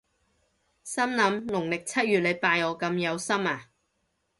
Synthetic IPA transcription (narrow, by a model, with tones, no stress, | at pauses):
sɐ˥mlɐ˨˧˥mlʊ˨˩ŋlɪ˨k̚t͡sʰɐ˥t̚ɥyː˨t̚lɐ˨˧jpaː˧jɔː˨˧kɐ˧mjɐ˨˧wsɐ˥maː˨